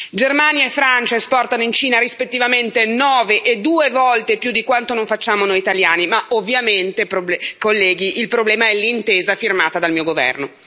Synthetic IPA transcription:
d͡ʒermaːnjaefːɾant͡ʃaespɔrt̪anoint͡ʃiːnaɾispet̪ːivament̪enɔːveʔed̪uːevɔlt̪epjud̪ːikwant̪onoɱfat͡ʃːaːmonoːjit̪aljaːnimaovːjament̪epɾobɛkolːɛːɡiʔilpɾoblɛːmaɛlːint̪eːzafirmaːt̪ad̪almiːoɡovɛ̰rno

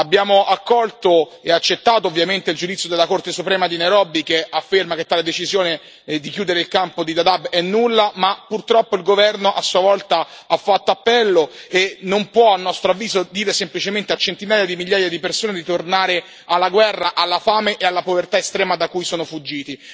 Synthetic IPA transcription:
abːjaːmoʔakːɔlt̪oeat͡ʃːet̪ːaːt̪oːvːjament̪eild͡ʒud̪it̪sjod̪elːakort̪esupɾɛːmad̪ineɾɔbikeafːermaket̪ːaːled̪et͡ʃizjoːne | d̪ikjuːd̪eɾeilkampod̪id̪ad̪abɛnːulːamapːurt̪ɾɔpːoilɡovɛrnoʔasːuavɔlt̪aafːat̪ːoapːɛlːoenompwɔalnːɔst̪ɾoavːiːzod̪iːɾesemplit͡ʃement̪eat͡ʃːent̪inaːjad̪imiʎːaːjad̪ipersoːned̪it̪ornaːɾe | alːaɡwɛrːaʔalːafaːmeʔealːapovert̪aest̪ɾɛːmad̪akujsoːnofud͡ʒːiːt̪i

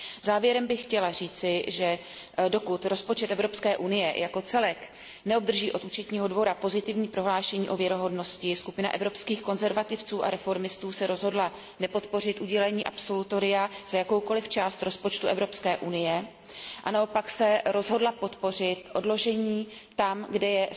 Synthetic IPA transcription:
zaːvjɛɾɛmbɪxcɛlar̝iːt͡sɪʒɛ | do̞kut̪ɾo̞spo̞t͡ʃɛt̪ɛvɾo̞pskɛːʔunɪjɛjʔako̞t͡sɛlɛk | nɛob̚d̪r̩ʒiːʔo̞t̪uːt͡ʃɛt̪ɲiːɦo̞dvo̞ɾapo̞zɪt̪ɪvɲiːpɾo̞ɦlaːʃɛɲiːʔo̞vjɛɾoɦo̞dno̞scɪskupɪna̰ʔɛvɾo̞pskiːxkonzɛɾvat̪ɪft͡suːʔa̰ɾɛfo̞ɾmɪst̪uːsɛɾo̞zɦo̞dla | nɛpo̞t̪po̞rɪt̪ʔuɟɛlɛɲiːʔapso̞lut̪o̞ɾɪjaz̥ajako̞wko̞lɪft͡ʃaːst̪ɾo̞spo̞t͡ʃt̪uʔɛvɾo̞pskɛːʔunɪjɛ | ʔa̰naopaksɛɾo̞zɦo̞dlapo̞t̪po̞r̝ɪt̪ʔo̞dlo̞ʒɛɲiːt̪amɡdɛjɛ

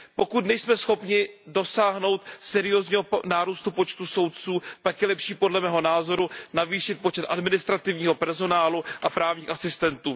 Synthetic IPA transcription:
po̞kut̪nɛjsmɛsxo̞pɲɪdo̞saːɦno̞wt̪sɛɾɪozɲiːɦonaːɾust̪upo̞t͡ʃt̪uso̞wt̪̚t͡suːpakjɛlɛpʃiːpo̞dlɛmɛːɦo̞naːzo̞ɾunaviːʃɪt̪̚po̞t͡ʃɛt̪ʔadmɪnɪst̪ɾat̪ɪvɲiːɦo̞pɛɾzo̞naːluʔapɾaːvɲiːxasɪst̪ɛnt̪uː

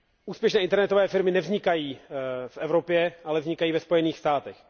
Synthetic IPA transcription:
ʔuːspjɛʃnɛːʔɪnt̪ɛɾnɛt̪ovɛːfɪɾmɪnɛvzɲɪkajiːfʔɛvɾopjɛʔalɛvzɲɪkajiːvɛspo̞jɛniːxst̪aːt̪ɛx

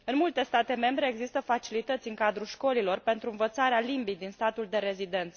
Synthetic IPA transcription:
ɨnmult̪e̞st̪at̪e̞me̞mbɾe̞ːɡzist̪əfat͡ʃilit̪ət̪sʲɨŋkad̪ɾuʃko̞lilo̞rpe̞nt̪ɾuɨnvət̪saɾealimbijd̪inst̪at̪uld̪e̞ɾe̞zid̪e̞nt̪sə

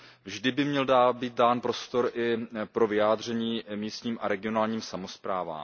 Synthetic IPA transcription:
vʒdɪbɪmɲɛldaːbiːt̪̚daːnpɾo̞st̪o̞ɾʔɪpɾo̞vɪjaːdr̝ɛɲiːmiːst̪ɲiːmʔaɾɛɡɪo̞naːlɲiːmsamo̞spɾa̰ːva̰ːm

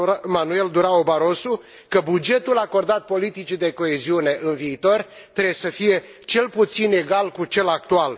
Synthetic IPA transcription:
manue̞ld̪uɾaobaɾo̞su | kəbud͡ʒe̞t̪ulako̞rd̪at̪̚po̞lit̪it͡ʃid̪e̞ko̞eziune̞ʔɨnviːt̪o̞r | t̪ɾesəfije̞ | t͡ʃe̞lput̪sine̞ɡalkut͡ʃe̞lak̚t̪ual

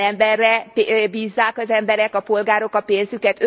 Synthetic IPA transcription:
ɛmbɛrːɛbiːzːaːkɒzɛmbɛɾɛkɒpo̞lɡaːɾo̞kɒpeːnzykɛt̪

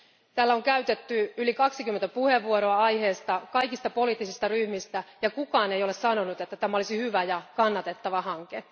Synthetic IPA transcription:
t̪æːlːæo̞ŋkæyɥt̪e̞t̪ːyylikɑksik̟ymːent̪æpuhe̞ʋːuoɾo̞ɑɑjhe̞ːst̪ɑkɑjkist̪ɑpo̞liːt̪ːˑisist̪ɑryhmist̪æjɑkukɑːnejole̞ssɑno̞nut̪et̪ːæt̪æmæo̞lisihyʋæjɑkɑnːɑt̪e̞t̪ːɑʋɑhɑŋke̞

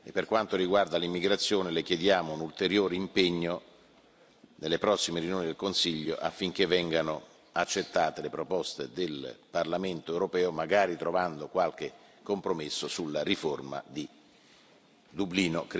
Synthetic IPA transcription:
epːerkwant̪oɾiɡward̪alimːiɡɾat̪sːjoːnelekjed̪jaːmounult̪eɾjoːɾeimpeɲːo | nelːepɾɔsːimeɾjunjoːnid̪elkonsiʎːo̰ʔa̰fːiŋk̟evːɛŋɡano | at͡ʃːet̪ːaːt̪elepɾopɔst̪ed̪elparlament̪oewɾopɛːomaɡaːɾit̪ɾovand̪okwalk̟e | kːompɾomesːosulːariforma̰d̪i | d̪ubliːnok

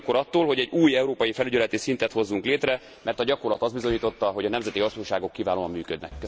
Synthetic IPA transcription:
kːoɾɒt̪ːoːlɦo̞ɟɛɟuːjɛuɾoːpɒjifɛlyɟɛlɛt̪isint̪ɛt̪ho̞zːuŋkleːt̪rɛ | mɛrt̪ɒɟɒko̞rlɒt̪ɒzd̪bizo̞ɲiːt̪o̞t̪ːɒɦo̞ɟɒnɛmzɛt̪iɦɒsuɲʃaːɡo̞kːivaːloːɒmːyːkød̪nɛ̰kː

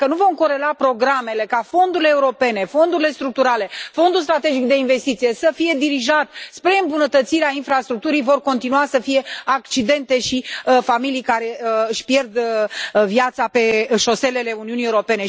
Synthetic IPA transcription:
kənuvo̞mko̞ɾe̞lapɾo̞ɡɾame̞le̞kafo̞nd̪uɾileːuɾo̞pe̞ne̞fo̞nd̪uɾile̞st̪ɾuk̚t̪uɾale̞fo̞nd̪uls̬t̪ɾat̪e̞d͡ʒikd̪e̞inve̞st̪it̪sije̞səfije̞d̪iɾiʒat̪spɾe̞ɨmbunət̪ət̪siɾeainfɾast̪ɾuk̚t̪uɾijvo̞rko̞nt̪inuasəfije̞akt͡ʃid̪e̞nt̪e̞ʃifamilijkaɾe̞ɨʃpjerd̪ | vjat̪sape̞ʃo̞se̞le̞le̞uniunieuɾo̞pe̞ne̞

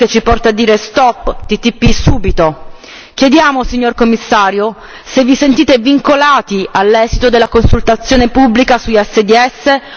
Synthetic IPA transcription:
ket͡ʃːipɔrt̪aːd̪ːiːɾest̪ɔpːt̪it̪ːipːisuːbit̪o | k̟jed̪jaːmosiɲːorkomːisːaːɾjo | sevisent̪iːt̪eviŋkolaːt̪ialːɛːzit̪od̪elːakonsult̪at̪sːjoːnepubːlikasuɛsːed̪iɛsːe

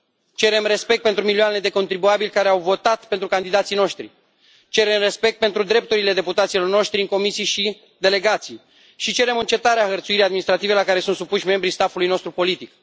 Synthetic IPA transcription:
t͡ʃe̞ɾe̞mre̞spekt̪̚pent̪ɾumilioane̞d̪e̞ko̞nt̪ɾibuabilʲkaɾeawvo̞t̪at̪pe̞nt̪ɾukand̪id̪at̪sijno̞ʃt̪ɾḭ | t͡ʃe̞ɾe̞mre̞spe̞k̚t̪̚pe̞nt̪ɾud̪ɾe̞p̚t̪uɾile̞d̪e̞put̪at̪silo̞rno̞ʃt̪ɾiɨŋko̞misijʃi | d̪e̞le̞ɡat̪sij | ʃit͡ʃe̞ɾe̞mɨnt͡ʃe̞t̪aɾeaxərt̪suiɾʲijad̪minist̪ɾat̪ive̞lakaɾe̞sunt̪supuʃʲme̞mbɾist̪afulujno̞st̪ɾupo̞lit̪ik

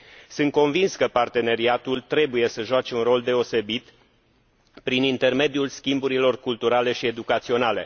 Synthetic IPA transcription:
sɨnt̪̚ko̞nvinskəpart̪e̞ne̞ɾiat̪ult̪ɾe̞buje̞səʒoat͡ʃe̞unro̞ld̪e̞o̞se̞bit̪ | pɾinint̪e̞rme̞d̪ijulskʲimbuɾilo̞rkult̪uɾale̞ʃie̞d̪ukat̪sio̞nale̞̰

